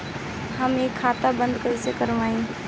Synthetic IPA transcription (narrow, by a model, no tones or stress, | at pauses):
ɦəmeːkʰːaːt̪abə̃nd̪kəɪsekəɾʋaːĩː